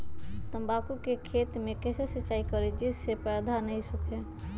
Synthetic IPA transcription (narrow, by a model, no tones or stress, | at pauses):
t̪əmbakukekʰet̪mẽkɛsesət͡ʃːaikəɾed͡ʒisepɛd̪ʱanəɦĩsukʰe